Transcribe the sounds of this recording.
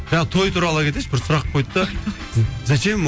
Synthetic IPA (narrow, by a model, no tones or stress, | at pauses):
ʒɑt̪ʰo̞jt̪ʰuɾɑlˠəkʲʰe̞t̪esbɪɾsʊɾɑq̚qojt̪ːə | zæt͡ʃem